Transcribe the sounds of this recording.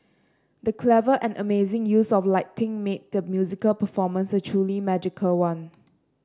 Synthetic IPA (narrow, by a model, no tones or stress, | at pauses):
dəkʰlɛvəʔɛ̃nʔəmezɪ̃ŋjusɔflaɪtɪ̃ŋmet̚dəmjuzɪkəlpəfɔmə̃nsətʰɹulimɛd͡ʒɪkʰəlwãn